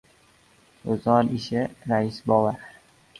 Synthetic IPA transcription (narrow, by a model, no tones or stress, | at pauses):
ʊzɒnɪʃɪɾaɪsbɒwaɾ